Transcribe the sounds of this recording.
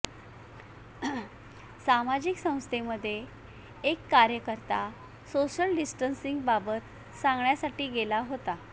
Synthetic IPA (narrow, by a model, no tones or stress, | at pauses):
samad͡ʑiksə̃w̃st̪ʰeməd̪ʱːjeː | kːaɾjəkəɾt̪a | soɕəlɖisʈənsiŋɡbabət̪ | sãŋɡɳjasaʈiːɡelaɦot̪a